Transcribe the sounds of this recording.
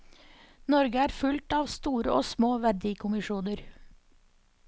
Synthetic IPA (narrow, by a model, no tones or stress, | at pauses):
nɔɾɡəæːɾfʉlt̪ɑːʋst̪uːɾəʔoːsmoːʋæɖiːkʰʊmɪʃuːnəɾ